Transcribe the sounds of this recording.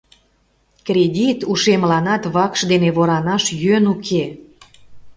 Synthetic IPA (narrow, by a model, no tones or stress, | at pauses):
krʲedʲit̪uʃemlɑnɑt̪βɑkʃd̪eneβoɾɑnɑʃjønukʰe